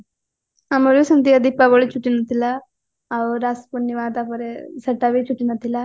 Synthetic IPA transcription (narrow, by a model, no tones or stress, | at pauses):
ɐmɐɾusɐnt̪iɐd̪ipːaboɭit͡ʃuʈːinɐt̪ːila | ɐɾaːspunːiʋaːt̪apɐɾesɐʈːaʋit͡ʃuʈːinɐt̪ːilɐ